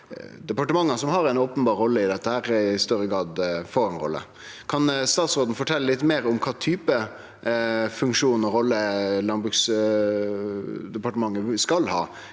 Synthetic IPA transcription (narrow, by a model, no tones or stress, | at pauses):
d̪ɛpɑʈəmɑŋːənsɔmhɑɾɛɪnoːpənbɑːɾːɔlːəɪd̪ɛt̪ːəhæːɾɪst̪œɾəɡɾɑːd̪foːɾɛnɾɔ̰lːə̰ | kʰɑnst̪ɑːt̪sʁoːd̪n̩əfɔʈʰɛlːəlɪt̪ːmeːɾɔmkʰɑːt̪ʰyːpə | fʉŋkʂuːnɔɾɔlːəlɑnbɾʉːks | d̪ɛpɑʈəmɑŋːəskɑlhɑ̰ː